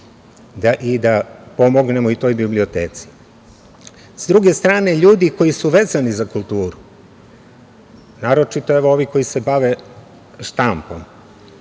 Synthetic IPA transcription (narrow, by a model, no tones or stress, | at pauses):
d̪aʔid̪apo̞mo̞ɡne̞moit̪o̞ːjbliblio̞t̪eːt̪si̥ | z̥d̪ɾuɡe̞st̪ɾaːne̞ʎuːd̪iko̞jisuʋe̞zanizakulˠt̪uːɾu | naːɾo̞t͡ʃit̪o̞eʋo̞o̞ʋiko̞jise̞baʋe̞ | ʃt̪ampom